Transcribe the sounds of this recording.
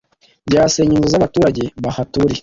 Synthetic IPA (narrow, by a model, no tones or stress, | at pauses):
ɟaːse̞ːɲinzozaβatuːɾaɟe̞βahatuɾi